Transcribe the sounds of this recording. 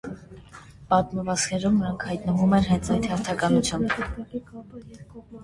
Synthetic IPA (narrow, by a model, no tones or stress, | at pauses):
pɑt̪məvɑskʰɛɾumnəɾɑŋkʰhɑjt̪nəvumɛnɦɛnt͡sʰɑjt̪hɛɾt̪ʰɑkɑnut͡sʰjɑmb